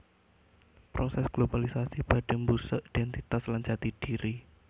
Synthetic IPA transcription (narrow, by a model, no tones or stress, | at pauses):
pɾosɛsɡ̥lobalisasib̥a̤ɖ̥ə̤ŋbusəʔid̥ɛnt̪it̪aslaɲd͡ʒat̪id̥iɾi